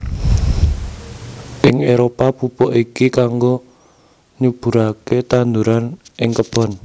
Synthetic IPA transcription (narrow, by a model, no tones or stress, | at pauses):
ʔɪŋeɾopapupɔʔikikaŋɡo | ɲub̥ṳɾaket̪and̪uɾanʔɪŋkəb̥ɔ̤n